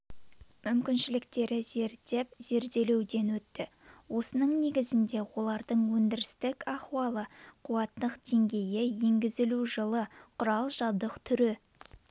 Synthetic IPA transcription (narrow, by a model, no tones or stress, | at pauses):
mʏmkʲɪnʃɪlɪk̚t̪e̞ɾɪze̞ɾt̪e̞p̚z̥e̞ɾd̪e̞le̞wd̪e̞nwɵt̪ːɪ | wo̞sənəɴne̞ɡʲɪzɪnd̪e̞wo̞lˠɑɾd̪əɴwɵnd̪ɪɾɪst̪ɪkʲɑχwɑlˠəqʰuwɑt̪ːəqd̪̥e̞ŋɡʲe̞jɪjeŋɡʲɪzɪluʒəlˠəqʰʊɾɑlˠʒɑld̪əqt̪ʰʏɾɪ